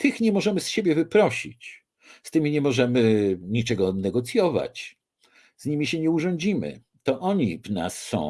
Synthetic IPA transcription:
t̪ʰɘxɲɛmɔʐɛmɘsɕebʲjɛvɘpɾɔɕḭt͡ɕ | st̪ɘmʲiɲɛmɔʐɛmɘɲit͡ʂɛɡɔnɛɡɔt̪sʲjɔva̰t͡ɕ | zɲimʲiɕɛɲɛuʐɔ̃ɲd͡ʑimɘ̰ | t̪ɔʔɔɲivna̰sːɔ̰̃w̃

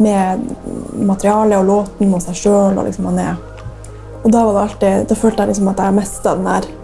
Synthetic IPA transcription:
mɛ | mɑt̪əɾɪɑːləɔloːt̪n̩ɔsæɪʂøːlɔ̰lɪ̰ksɔmɑnɛ̰ | ɔd̪ɑːʋɑd̪ɛɑlt̪ɪd̪ɑføːlt̪əæɪlɪksɔmɑt̪̚d̪ɛæɾmɛst̪ɑd̪ɛnæ̰ɾ

